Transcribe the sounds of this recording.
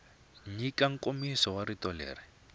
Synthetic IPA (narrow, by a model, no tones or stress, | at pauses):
ɲikaŋ̩komisɔwaɾitɔlḛːri